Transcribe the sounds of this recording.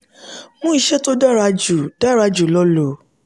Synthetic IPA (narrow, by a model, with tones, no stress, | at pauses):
mũ˦i˧ʃɛ˦to˦da˦ɾa˧d͡ʒu˨d̥a˦ɾa˧d͡ʒu˨lɔ˦lo˨